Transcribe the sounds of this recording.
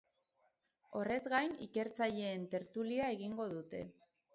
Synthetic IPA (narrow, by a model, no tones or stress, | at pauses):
o̞re̞zɡajnḭke̞ɾt͡saʎe̞ːnt̪e̞ɾt̪uliae̞ɣiŋɡo̞ðut̪e̞